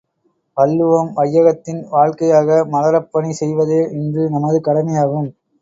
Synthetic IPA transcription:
pɐlːɯʋɐmʋɐjːɐɣɐt̪ːɪnʋaːɻkɐjaːɣɐmɐlɐɾɐpːɐɳisɛjʋɐðeːʔɪndrɯnɐmɐðɯkɐɽɐmɐjaːɣɯm

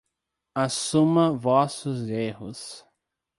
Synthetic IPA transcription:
asũmɐvɔsʊzehʊs

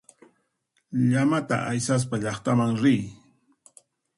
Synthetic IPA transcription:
ʎamat̪a̰ʔajsas̬paʎɑχt̪amaŋɾɪj

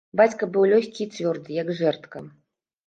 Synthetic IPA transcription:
bat͡sʲkɐbɨwlʲɔxʲkʲit͡sʲvʲɔrd̪ɨjɐɡʐɛrt̪kɐ

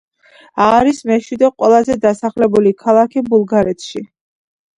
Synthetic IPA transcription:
aːɾismɛʃwid̪ɛqʼwɛlˠazɛd̪asaχlɛbulikʰalˠakʰibulˠɡaɾɛt̪ʰʃi

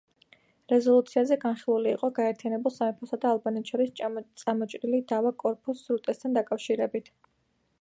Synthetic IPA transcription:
ɾɛzɔlˠut̪sʰiazɛɡanχilˠuliːqʼɔɡaɛɾt̪ʰijanɛbulˠsamɛpʰɔsad̪aːlˠbanɛt̪ʰʃɔɾist̪sʼamɔt͡ʃʼɾilid̪avakʼɔɾpʼusɾut̪ʼɛst̪ʰand̪akʼafʃiɾɛbit̪ʰ

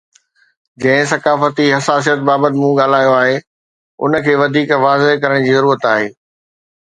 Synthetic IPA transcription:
d͡ʑɐ̃ɦɪ̃sɐkaːfət̪iɦɐsaːs̬ijət̪̚baːbət̪ɪmũːɠaːl̤aːijoaːɦe | ʊ̰nə̆kʰeːʋɐd̪ʱiːkʋaːzɪɦkɐɾəɽ̃d͡ʑiːzɐɾuːɾət̪aːɦeː

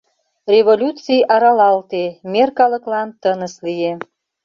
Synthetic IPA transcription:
rʲevolʲut͡sijʔɑɾɑlɑlt̪emerkɑləklɑnt̪ənəslie

